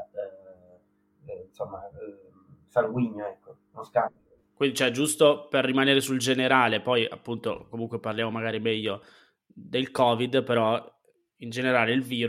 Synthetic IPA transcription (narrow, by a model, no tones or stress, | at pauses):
insomːa | salɡwiɲːoɛkːo | noskamb̪ilo | kwind̪it͡ʃoɛd͡ʒust̪operːimaneːɾesuld͡ʒeneɾaːlepɔja̰pːunt̪o̰komuŋkweparljaːmomaɡaːɾimɛʎːo | d̪elkɔːvid̪peɾɔ | ind͡ʒeneɾaːleilviːɾ